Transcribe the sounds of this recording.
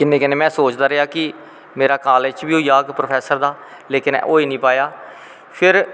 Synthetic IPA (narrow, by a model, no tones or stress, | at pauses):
kɪnːẽːkɪneːmɛ̃ːsoːt͡ʃd̪aːɾəɪaːkɪ | meːɾaːkaːlet͡ʃbiːɦoiːaːɡpɾoːpʰɛːsəɾd̪aː | leːkɪnɛ̰ʔoːiːnĩːpaːjaː | pʰɪɾ